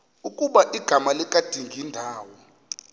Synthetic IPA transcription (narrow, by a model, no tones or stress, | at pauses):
ukʼuɓaʔiɡ̥ʱamalɛkʼad̥ʱiŋɡʱindʱaːwɔ